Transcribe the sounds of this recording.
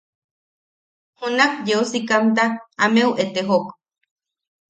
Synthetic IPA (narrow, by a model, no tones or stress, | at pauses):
hunakjeosikamnt̪aːmeuʔet̪eɦok